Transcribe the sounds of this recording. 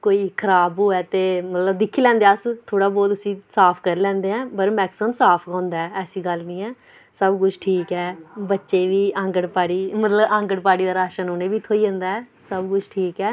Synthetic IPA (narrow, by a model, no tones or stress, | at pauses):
koːiːkʰəɾaːboːɛːt̪eːmət̪ləbd̪ɪkʰːiːlɛ̃ːnd̪eːaːst̪ʰoːɽaːbɔːt̪ʊsĩːsaːpʰkəɾlɛ̃ːnd̪eːɛ̃ːpəɾmɛːksəmsaːpʰɡãːnd̪aːɛːɛːsiːɡəlnĩːɛ̃ː | səbkʊt͡ʃʰʈʰiːkɛːbətːʃeːʋiːãːŋɡəɽpaːɽiːmət̪ləbãːŋɡəɽpaːɽiːd̪aːɾaːʃənoːneːʋiːt̪ʰoːiːə̃nd̪aːɛː | səbkʊt͡ʃʰʈʰiːkɛː